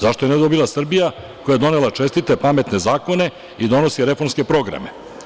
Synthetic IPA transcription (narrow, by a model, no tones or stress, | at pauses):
zaʃt̪o̞jened̪o̞bilˠasr̩bija | ko̞jajed̪o̞nelat͡ʃe̞st̪it̪epame̞t̪ne̞zaːko̞ne̞ | id̪o̞no̞siɾe̞fo̞ɾmske̞pɾo̞ɡɾa̰me̞̰